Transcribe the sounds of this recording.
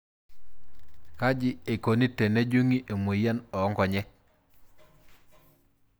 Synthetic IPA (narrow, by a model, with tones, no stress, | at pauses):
ka˦d͡ʒi˦e˨ko˨ni˦tːe˨ne˦d͡ʒu˦ŋi˦ʔe˨mu˨ja˦nɔ˨˦ŋɡɔ˨ɲɛ˦